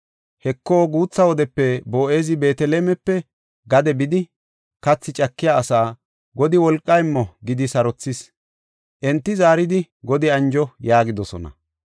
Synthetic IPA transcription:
hɛkːoːɡuːt͡sːɐwɔd̪ɛpːɛbo̞ːʔe̞ːzɪbe̞ːt̪ɛleːmɛpːɛ | ɡɐd̪ɛbɪd̪ɪ | kɐt͡sːɪt͡ʃʼɐkːɪjaːsaː | ɡɔd̪ɪwɔlkʼːɐjmːɔɡɪd̪ɪsɐɾɔt͡sːɪs | ʔɛnt̪ːɪzaːɾɪd̪ɪ | ɡɔd̪ɪɐnd͡ʒɔjaːɡɪd̪ɔsɔ̰nɐ̰

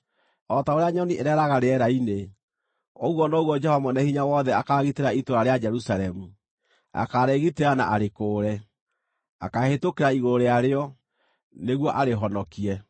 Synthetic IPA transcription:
ɔtaoɾeaɲɔniʔeɾɛɾaɣaɾeɛɾaine | oɣwɔnɔɣwɔd͡ʒɛhɔmɔnɛhiɲawɔðɛakaɣiteɾaitoɾaɾead͡ʒɛɾusaɾɛmu | a̰kaɾɛɣiteana̰ʔaɾekoːɾɛ | a̰kahetokeɾaiɣoɾeaɾeɔ | neɣwɔʔaɾeɦɔnɔkiɛ

